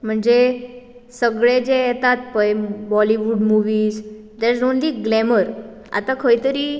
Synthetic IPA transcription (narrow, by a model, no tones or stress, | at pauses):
m̤əɳd͡ze | səɡɭed͡ʑejɛt̪at̪̚pəjbɔliʋuːɖmuʋiːz | d̪eɾzonliɡlɛməɾ | a̰t̪akʰəjt̪əɾiː